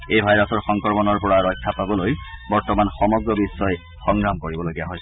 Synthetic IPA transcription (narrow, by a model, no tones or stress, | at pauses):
ejbʱajɹɔsɔɹxɔŋkɔɹmɔnɔɹpɔɹaɹɔjkʰːapabɔlojbɔɹtɔmanxɔmɔɡɹɔbisːɔj | xɔŋɡɹamkoɹibɔloɡijaɦɔj